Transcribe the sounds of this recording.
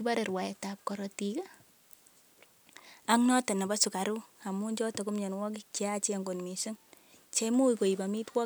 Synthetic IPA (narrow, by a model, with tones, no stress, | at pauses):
i˦ba˦ɾe˨ɾwa˨ɛ˨tap̚kɔ˨ɾɔtika˦ | a˦ŋnɔ˦tɛ˨na˨ba˦su˨ka˨ɾu˦a˨mu˦ɲd͡ʒɔ˦tɔ˨ku˦mɲɛ˨nwɔ˦k̬i˦kt͡ʃe˦a˦t͡ʃe˦˨ŋɡo˨nmi˨so˦ŋ | t͡ʃe˦mu˦i˨ko˨i˨ba˨mi˦twɔ˦